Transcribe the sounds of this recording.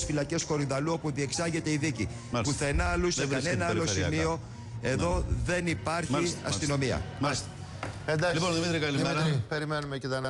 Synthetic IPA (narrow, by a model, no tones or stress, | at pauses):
sfilɐce̞sko̞ɾiðɐluo̞puðie̞ksɐʝe̞t̪e̞iðici | puθenɐɐluseɐnenɐɐlo̞simio̞ | e̞ðo̞ðe̞nipɐɾçiɐ̰st̪ino̞miɐ̰ms | end̪ɐliponðimit̪ɾikɐlimipeɾimenumecet̪ɐnɐ